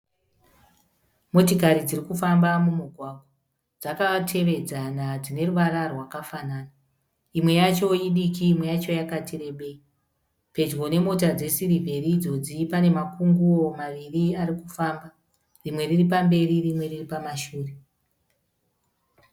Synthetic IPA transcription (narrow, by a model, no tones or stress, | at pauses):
mo̞tikaɾid͡zirikufambamumuɡʱwaɡʱwa | d͡zakatʰe̞ʋe̞d͡zanad͡zine̞ruʋaɾarwakafanaːna | imwe̞jat͡ʃo̞jiɗikiːmwejat͡ʃo̞jakatire̞ɓe̞i | pe̞d͡ʒɣo̞ne̞mo̞t̬ad͡ze̞siɾivʱe̞ɾid͡zo̞d͡zipane̞makuŋɡuomaʋiriarikufamba | rimwe̞ririp̬ambe̞ɾirimwe̞riripamaʃuːre̞